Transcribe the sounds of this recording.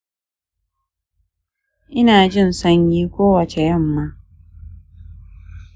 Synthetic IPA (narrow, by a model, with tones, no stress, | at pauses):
ʔɪ˦naː˨d͡ʒɪ˦˨nsɐ˦ɲjiː˦kʷoː˦wɐ˨t͡ʃe˨jɐ˦˨mːaː˦